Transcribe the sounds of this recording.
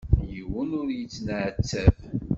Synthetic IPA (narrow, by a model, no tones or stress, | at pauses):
jəwənʊɾjət͡sːnʕət͡sːæv